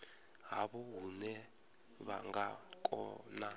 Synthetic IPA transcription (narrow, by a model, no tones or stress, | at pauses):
ɦaβɔɦunɛ | βa̰ŋɡakʼɔ̰na